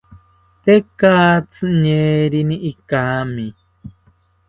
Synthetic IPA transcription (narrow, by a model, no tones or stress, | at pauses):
t̪ekaːt͡sɨɲeɾiniʔikaːmi